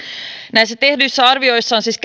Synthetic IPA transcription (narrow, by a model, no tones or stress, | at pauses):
næiset̪ehdysːæɑrʋioisːɑnsisk